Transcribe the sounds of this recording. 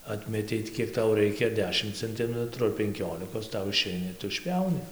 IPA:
ˈɑːtʲmʲɛtʲɛɪ tʲɪ ˈkʲiɛk ˈtɐʊ ˈrɐɪkʲɛ ɐr ˈdʲæːʃʲɪm t͡sʲɛnʲˈtʲɪmʲɛtrʊ ɐr pʲɛŋʲˈkʲoːlʲɪkoːs ˈtɐʊ ɪˈʃʲɛɪnɐ ɪr ˈtʊ ɪʃʲˈpʲjɛʊnʲɪ

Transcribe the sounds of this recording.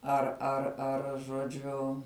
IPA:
ɐr ɐr ˈɐr ʒoːˈd͡ʒʲʊ

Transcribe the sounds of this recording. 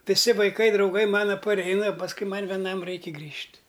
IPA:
ʋʲɪˈsʲɪ ʋɐɪˈkɐɪ drɐʊˈɡɐɪ ˈmɑːnɐ pɐˈrʲɛɪnɐ pɐsˈkʊɪ ˈmɐn ʋʲɛˈnɐm ˈrɐɪkʲɪ ˈɡrʲiːʃʲtʲ

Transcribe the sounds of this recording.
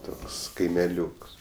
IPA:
ˈtoːks kɐɪmʲɛˈlʲuːks

